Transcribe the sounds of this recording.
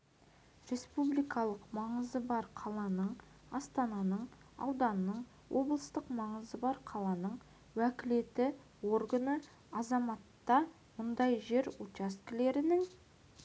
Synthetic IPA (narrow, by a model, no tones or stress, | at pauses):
ɾʲe̞spublijkɑlˠəqmɑɴəzəbɑɾqʰɑlˠɑnəɴ | ɑst̪ɑnɑnəɴ | ɑ̰wd̪ɑnnəɴ | wʔo̞blˠəst̪əqmɑɴəzəbɑɾqʰɑlˠɑnəɴ | wækʲɪle̞t̪ɪ | wo̞rɡənə | ɑzɑmɑt̪ːɑ | mʊnd̪ɑjʒe̞ɾut͡ʃaskʲɪle̞ɾɪnɪŋ